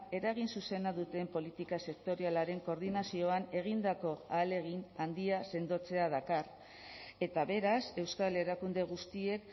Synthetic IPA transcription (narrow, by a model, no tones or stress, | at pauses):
e̞ɾaɣ̞insuse̞naðut̪e̞mpo̞lit̪ikase̞k̚t̪o̞ɾialaɾe̞ŋko̞ɾðinasio̞ane̞ɣ̞ind̪ako̞aːle̞ɣ̞inand̪iase̞nd̪o̞t͡se̞að̞akar | e̞t̪aβe̞ɾase̞wskale̞ɾakund̪e̞ɣ̞ust̪ie̞k